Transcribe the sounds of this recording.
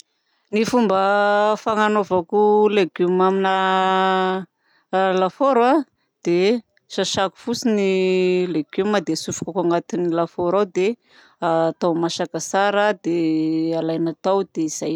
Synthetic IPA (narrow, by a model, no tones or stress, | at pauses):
nifumbəfaŋanovakuleɡumaminə | lafoɾa | d̪̥e | ʃaʃaku̥fusinileɡ̥umad̪esufu̥kakaŋat̪inilafoɾawd̪e | at̪awmaʃakəsaɾəd̪ealajnat̪awd̪eiz̥aj